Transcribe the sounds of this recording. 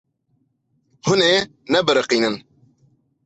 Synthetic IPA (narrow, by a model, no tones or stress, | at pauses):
hʊneː | nɛbɨɾɨqiːnɨn